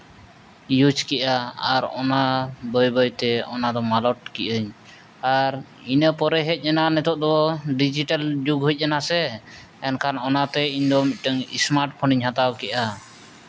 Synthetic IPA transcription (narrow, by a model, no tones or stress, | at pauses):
jud͡ʒkɛʔaaɾɔ̰nabəjbəjt̪ɛɔ̰nad̪ɔmalɔʈ̚kiʔəɲ | aɾ | inəpɔɾɛɦɛc̚ˀɛnanɛt̪ɔʔ̚d̪ɔɖid͡ʒiʈald͡ʒuɡɦuc̚ˀːɛnasɛ | ɛnkʰanɔnat̪ɛiɲd̪ɔmit̪̚ˀʈəŋḭsmaɾʈ̚pʰɔniɲɦãt̪awkɛʔa